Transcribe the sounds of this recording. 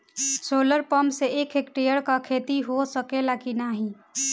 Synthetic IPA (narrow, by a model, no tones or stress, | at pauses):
soːləɾpəmseeːkʰeːkʈɾejəɽkakʰeːt̪iɦosəkelakinaːɦĩ